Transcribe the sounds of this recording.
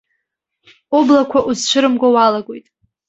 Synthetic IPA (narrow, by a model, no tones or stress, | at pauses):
oblakʷʰaʔuzt͡ʃʷʰɨɾɨmɡʷawalaɡʷojtʼ